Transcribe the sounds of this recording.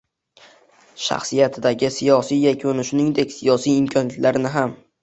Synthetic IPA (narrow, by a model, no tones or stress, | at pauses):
ʃa̰χsijat̪ʰɪd̪aɡʲɪsijɒsijjakʲʰʊnɪʃʊnɪŋd̪e̞kʲsijɒsijɪmkʲʰɒnjat̪laɾnɪɦam